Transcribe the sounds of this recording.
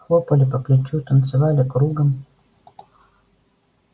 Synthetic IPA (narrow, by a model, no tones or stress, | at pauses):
xopəlʲɪpəplʲɪt͡ɕut̪ənt̪sɨvalʲɪkɾuɡəm